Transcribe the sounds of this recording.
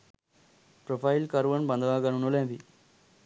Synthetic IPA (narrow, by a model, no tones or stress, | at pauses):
pɾofailkəɾʋənbãnd̪ʱʋãɡəɽunolãbʱi